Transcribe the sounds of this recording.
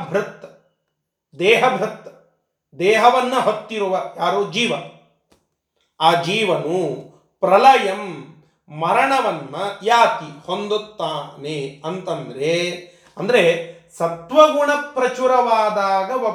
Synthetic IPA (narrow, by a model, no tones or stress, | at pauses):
bʱɾut̪ːɐ | d̪ɛːɦɐbʱɾɐt̪ːɐ | d̪ɛːɦɐʋɐnːɐɦot̪ːiɾuʋɐjaːɾoːd͡ʒiːʋɐ | aːd͡ʒiːʋɐnu | pɾɐlɐjɐmː | ɐɾɐɳɐʋɐnːɐjaːt̪ihond̪ut̪ːaːneɐnt̪ɐnd̪ɐɾe | ɐnd̪ɐɾesɐt̪ʋɐɡuɳɐpɾɐt͡ʃuɾɐʋaːd̪aːɡɐʋɐ